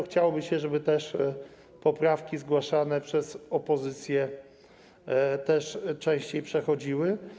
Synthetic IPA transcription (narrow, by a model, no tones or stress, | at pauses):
xt͡ɕawɔbɘɕɛʐɛbɘt̪ɛʂ | pɔpɾafkʲizɡwaʂanɛpʂɛsɔpɔzɘt̪sʲjɛ | t̪ɛʂt͡ʂɛ̃ɕt͡ɕejpʂɛxɔd͡ʑiwɘ